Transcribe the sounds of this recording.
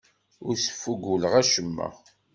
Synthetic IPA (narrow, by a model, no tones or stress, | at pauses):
ʊɾsə̥fːuɡuləʁæʃəmːæ̰